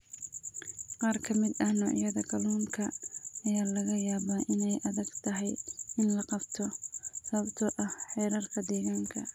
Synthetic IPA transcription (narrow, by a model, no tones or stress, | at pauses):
qɑːrkʰɐmɪd̪ɐhnɔːʕjɐðɐɡʰɐluːŋkʰɐːjaːlɐɣɐjaːβaːʔɪnɛjʔɐðɐɡt̪ʰɐɦɛjɪnlɐqɑbt̪ʰɔsɐβɐbt̪ʰɔʔɐhħɛːɾɐrkʰɐd̪ɛːɣaːŋkʰɐ̰